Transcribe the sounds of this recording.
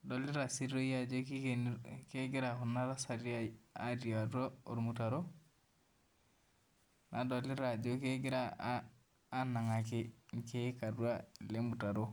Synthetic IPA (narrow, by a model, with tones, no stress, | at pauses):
dɔ˨li˦ɾa˨si˦o˦ja˦˨d͡ʒo˦ki˦ke˦ɡɪ˦ɾa˨hu˨nːa˦ɾa˦sa˨ɾi˦a˦a˦ɾi˨a˨ɾo˦o̰˨ɾmu˨ta˨ɾo˦ | na˨dɔ˨lɪ˦ɾa˨d͡ʒo˦ke˦ɡɪ˦ɾaː˦ | na˨ŋa˨kɪ˦ŋ˨ke˦ka˨du˦a˦le˦mu˨ta˨ɾo˦